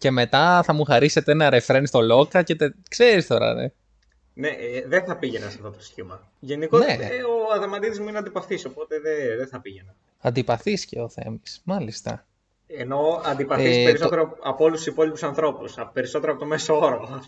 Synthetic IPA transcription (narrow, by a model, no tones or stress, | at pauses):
ce̞me̞t̪ɐθɐmuxɐɾise̞t̪enɐɾefɾenist̪o̞lo̞kɐce̞t̪ekse̞ɾist̪o̞ɾɐ̰nḛ | neðenθɐpiʝe̞nɐsɐ̥ftot̪osçimɐ | ʝe̞nikoeoɐðemɐt̪iðizmuineɐnd̪ipɐθiso̞po̞t̪eðeðeθɐpiʝenɐ | ɐnd̪ipɐθiscḛoθe̞̰mismɐlist̪ɐ̰ | eno̞ɐnd̪ipɐθiieisot̪eɾoɐpolust̪u̥sipo̞lipusɐnθɾo̞pusɐpe̞ɾiso̞t̪eɾoɐpot̪o̞mesooɾo